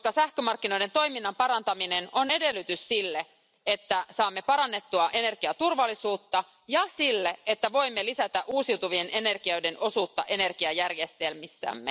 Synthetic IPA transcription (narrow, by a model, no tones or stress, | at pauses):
skɑsæhkømɑrk̟ːino̞jdent̪o̞jminːɑmpɑɾɑnt̪ɑmine̞no̞ne̞de̞lːyt̪yssilːe | e̞t̪ːæsɑːmːe̞pɑɾɑnːe̞t̪ːuɑʔe̞ne̞rkiɑt̪urʋɑlːisuːt̪ːɑ | jɑsilːeet̪ːæʋo̞jmːelisæt̪æʔuːsiwt̪uʋie̞nʔe̞ne̞rkiɑɥde̞no̞suːt̪ːɑ̰ʔe̞ne̞rkiɑjærjest̪e̞lmisːæ̰ːmːe